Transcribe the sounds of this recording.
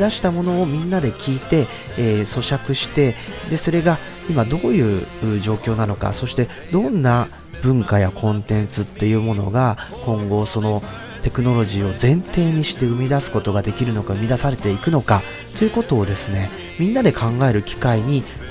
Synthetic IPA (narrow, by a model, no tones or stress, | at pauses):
d̪aɕi̥t̪amo̞no̞ːmʲĩnːad̪e̞kʲiːt̪e̞ː | so̞ɕakɯ̟ɕi̥t̪e̞d̪e̞so̞ɾe̞ɡa | imad̪o̞ːjɯ̟ːɯ̟ːʑo̞ːkʲo̞ːnano̞ka̰so̞ɕi̥t̪e̞ | d̪õ̞nːa | b̥ɯ̟̃ŋkajakʰõ̞nt̪ẽ̞nt͡sɨt̪ːe̞jɯ̟ːmo̞no̞ɡakõ̞ŋɡo̞so̞no̞ | t̪e̞kɯ̟no̞ɾo̞ʑiːo̞zẽ̞nt̪e̞ːɲ̟iɕi̥t̪e̞ɯ̟mʲid̪asɨ̥ko̞t̪o̞ɡad̪e̞kʲiɾɯ̟no̞kaɯ̟mʲid̪asaɾe̞t̪e̞ikɯ̟no̞ka | t̪o̞jɯ̟ko̞t̪o̞ːd̪e̞sɨne̞ | mʲĩnːad̪e̞kʰãŋɡae̞ɾɯ̟kʲi̥kaiɲ̟i